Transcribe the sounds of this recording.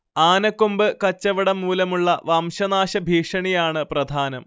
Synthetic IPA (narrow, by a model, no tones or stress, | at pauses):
aːnɐkːumbɨkɐt͡ɕːɐʋɐɽɐmːuːlɐmuɭːɐʋaːmɕɐnaːɕɐbʱiːʂɐɳijaːɳɨprɐd̪ʱaːnɐm